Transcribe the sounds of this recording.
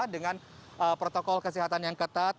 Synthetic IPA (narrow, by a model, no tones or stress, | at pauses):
dəŋan | ʔəpɾot̪okɔlkəsiɦat̪anjaŋkət̪at̪̚